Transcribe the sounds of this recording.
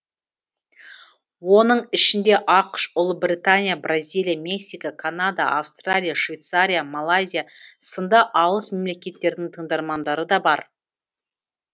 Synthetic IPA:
wo̞nəɴɪʃɪnd̪e̞ʔɑqʃʊlˠəbrʲijt̪anʲijabrazʲijlˠijamʲe̞ksʲijkakʰanad̪aʔafst̪ralʲijaʃvʲejt̪saɾʲijamalˠajzʲijasənd̪ɑʔɑlˠəsme̞mle̞kʲe̞t̪ːe̞ɾd̪ɪŋt̪ʰəɴd̪ɑɾmɑnd̪ɑɾəd̪ɑbɑɾ

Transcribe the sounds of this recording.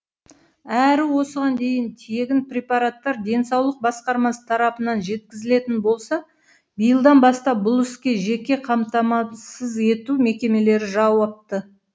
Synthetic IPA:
æɾɪwo̞səʁɑnd̪e̞jɪnt̪ʰe̞ɡʲɪnprʲepɑɾat̪ːɑɾd̪e̞nsɑwlˠəq̚bɑsqɑɾmɑsə̥t̪ʰɑɾɑpənɑnʒe̞t̪kʲɪzɪle̞t̪ɪnbo̞lˠsɑ | bijəlˠd̪ɑnbɑst̪ɑp̚bʊlˠʏskʲe̞ʒe̞kʲe̞qʰɑmt̪ɑmɑsəze̞t̪ume̞kʲe̞me̞le̞ɾɪʒɑwɑp̚t̪ə

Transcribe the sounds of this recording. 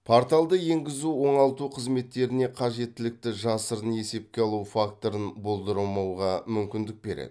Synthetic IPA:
pʰoɾt̪alˠd̪əje̞ŋɡʲɪzuwo̞ɴɑlˠt̪uqʰəzme̞t̪ːe̞ɾɪne̞qʰɑʒe̞t̪ːɪlɪk̚t̪ɪʒɑsəɾəne̞se̞p̚kʲe̞ɑlˠufak̚t̪o̞ɾənbo̞lˠd̪əɾəlˠmɑwʁɑmʏmkʲɪnd̪ɪk̚be̞ɾḛd̪ɪ̥

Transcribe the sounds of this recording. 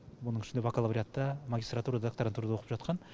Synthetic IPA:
wonəɴŋɪʃɪnd̪evakəlˠabɾʲiat̪ːɑmaɡʲist̪rat̪uɾad̪d̪akt̪oɾənt̪ʰuɾd̪awqəpʒɑt̪̚qɑn

